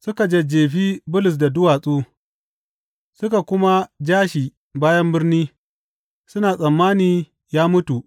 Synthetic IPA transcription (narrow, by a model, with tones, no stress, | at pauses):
sʊ˦ka˨d͡ʒɐ˨d͡ʒeː˨ɸiː˦bʊ˦lʊ˨s̬da˨dʊ˦waː˨sʼuː˦ | sʊ˦ka˨kʷʊ˦ma˦d͡ʒaː˦ʃiː˨ | baː˦jɐ˦mbɪ˦rniː˦ | sʊ˦naː˨sʼɐ˨mːaː˦niː˨ | jaː˦mʊ˦tu˨ʔ